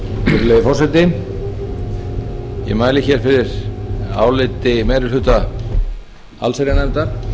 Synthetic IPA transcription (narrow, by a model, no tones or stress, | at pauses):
fɪɾlejðɪfɔrsɛt̪ɪ | jɛ̰maːjlɪçɛɾ̥fɪɾɪɾ̥a̰ːwlɪt̪ɪmɛːjɾɪlʏt̪a | a̰lseɾjanɛnt̪aɾ̥